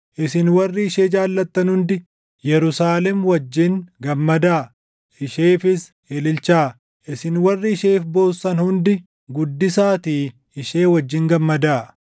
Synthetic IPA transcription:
ʔɪsɪnwɐrːɪːʃe̞ːd͡ʒaːlːɐt̪ːɐnhʊnd̪ɪ | jɛɾʊsaːlɛmwɐd͡ʒːɪŋɡɐmːɐd̪aː | ʔɪʃeːfɪs | eːlɪlt͡ʃaː | ʔɪsɪnwɐrːɪɪʃeːfbo̞ːsːɐnhʊnd̪ɪ | ɡʊd̪ːɪsaːt̪iː | ɪʃeːwɐd͡ʒːɪŋɡɐmːɐd̪aː

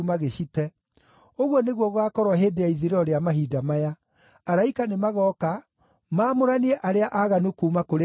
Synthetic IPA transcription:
umaɣeɕitɛ | oɣwɔneɣwɔɣwakɔɾwɔɦeːdeaiðiɾɔɾeamaɦiːdamaja | aɾaikanemaɣɔka | maːmoɾaniɛʔaɾeaʔaɣanukuːmakoɾe

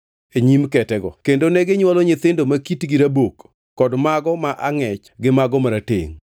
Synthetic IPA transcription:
eɲimkɛtɛɡɔ̰kendonɛɡɪɲwɔlɔɲɪt̪ɪndomakitɡiɾabokː | ɔdmaɡɔmaʔaŋɛt͡ʃɡɪmaɡɔmaɾatḛŋ

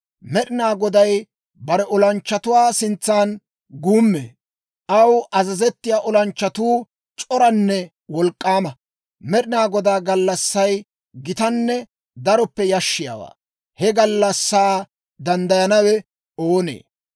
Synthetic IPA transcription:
mɛɗɪnaːɡɔd̪ɐj | bɐɾɛʔɔlɐnt͡ʃːɐt̪ʊwaːsɪnt͡sːaːn | ɡuːmːḛː | ʔɐwʔɐzɐzɛt̪ːɪjaːʔɔlɐnt͡ʃːɐt̪uː | t͡ʃʼɔɾɐnːɛ | wɔlkʼːaːmɐ | mɛɗɪnaːɡɔd̪aːɡɐlːɐsːɐj | ɡɪt̪ɐnːɛ | d̪ɐɾɔpːɛjɐʃːɪja̰ːwa̰ː | hɛɡɐlːɐsːaː | d̪ɐnd̪ɐjɐnɐwɛ | oːnḛː

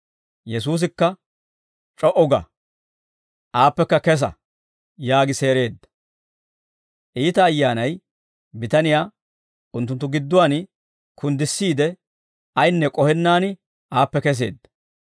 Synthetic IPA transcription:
jɛs̬uːs̬ɪkːɐ | t͡ʃʼɔʔɔɡɐ̰ | ʔaːpːɛkːɐkɛs̬ɐ̰ | jaːɡɪse̞ːɾe̞ːd̪ːɐ̥ | ʔiːt̪ɐːjːaːnɐj | bɪt̪ɐnɪjaː | ʊnt̪ːʊnt̪ːʊɡɪd̪ːʊwaːn | kʰʊnd̪ɪsːiːd̪ɛ | ʔɐjnːɛkʼɔhɛnːaːnɪ | ʔaːpːɛkɛs̬e̞̰ːd̪ːɐ̥

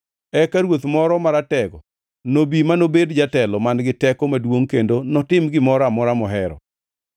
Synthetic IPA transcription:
ɛkaɾwot̪mɔɾɔmaɾatɛɡɔ | nobimanobedd͡ʒatɛlɔmanɡɪtɛkɔmadwoŋkendonɔtɪmɡɪmɔɾamɔɾamɔɦɛɾɔ̰

